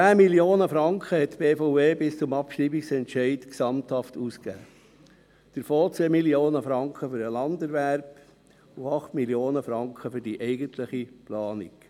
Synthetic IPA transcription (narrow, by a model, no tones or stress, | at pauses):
æːmiljoːnəfɾɑŋkχəhɛtːb̥eːfɔʊeːbɪst͡sʊmɑpʃriːbiksɛntʃɛɪtksɑmthɑftuːskæ̰ː | d̥əɾfoːt͡seːmiljoːnəfɾɑŋkχəfʏɾəlɑndəɾʋæɾp | ʊɑχtmiljoːnəfɾɑŋkχəfʏɾd̥iʔɛɪɡəntʰləχiplɑːnḭk